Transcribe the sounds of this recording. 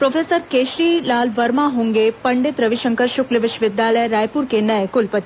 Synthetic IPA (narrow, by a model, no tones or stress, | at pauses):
pɾofʰesəɾkeʃɾilalʋəɾmaɦuŋɡepəɳɖet̪ɾəʋiʃəŋkəɾʃukləʋɪʃʋɪd̪jaləjɾajpuɾkẽnəjekulpət̪i